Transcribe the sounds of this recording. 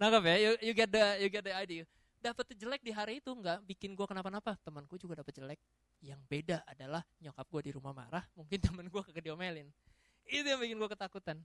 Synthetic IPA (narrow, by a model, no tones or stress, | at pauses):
naɡapɛjujuɡɛt̪̚dəjuɡɛt̪̚dəadi | dapət̪d͡ʒəlɛk̚diɦaɾiːt̪uŋɡaʔbikɪnɡuakənapanapat̪əmənkuad͡ʒuɡadapət̪̚d͡ʒəlɛk̚ | jaŋbedaːdalahɲokap̚ɡuadiɾumahma̰ɾahmuŋkɪnt̪əmənɡuakəkədiomelɪn | it̪ujaŋbikɪnɡuakət̪akut̪an